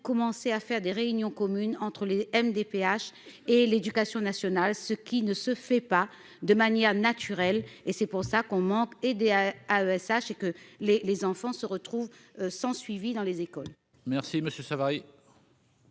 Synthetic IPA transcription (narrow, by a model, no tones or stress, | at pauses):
kɔmɑ̃seafɛʁd̪eʁeynjɔ̃kɔmynɑ̃t̪χəleɛmd̪epeaʃeled̪ykasjɔ̃nasjɔnalsəkʲinəsəfɛpa | d̪əmanjɛʁnat̪yʁɛlesɛpuʁsakɔ̃mɑ̃ked̪eaøɛsaʃekəlelezɑ̃fɑ̃səʁət̪χuvsɑ̃sɥivid̪ɑ̃lezekɔl | mɛʁsiməsjøsavaʁi